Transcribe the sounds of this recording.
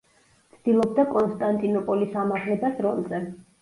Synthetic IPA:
t̪sʰd̪̥ilˠɔb̚d̪akʼɔnst̪ʼant̪ʼinɔpʼɔlisamaʁlɛbasɾɔnzɛ

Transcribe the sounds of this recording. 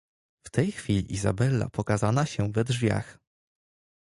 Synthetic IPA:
ft̪ɛjxfʲilʲiʔizabɛlːa̰pɔkazanaɕɛvɛd̪ʐvʲja̰x

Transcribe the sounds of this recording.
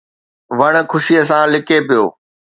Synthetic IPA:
ʋɐɽ̃̆kʰʊʃiəs̬ãːlɪkepijo̰ː

